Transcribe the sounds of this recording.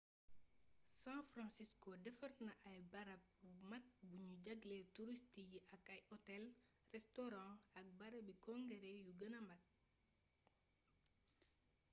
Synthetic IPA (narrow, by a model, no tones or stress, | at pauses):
sãfrɑ̃nsiskodɛfɐrnɐʔɐjbɐɾɐp̚bumɐt̚buɲuɟɐɡlɛtuɾistijiɐkɐjɔtɛl | rɛstɔɾɑ̃ɐk̚bɐɾɐbikɔ̃ŋɡɛɾɛjuɡɐnɐmɐt̚